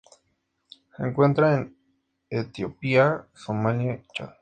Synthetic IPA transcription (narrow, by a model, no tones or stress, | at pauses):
hḛŋkwent̪ɾaen | et̪jopiasomanjet͡ʃa̰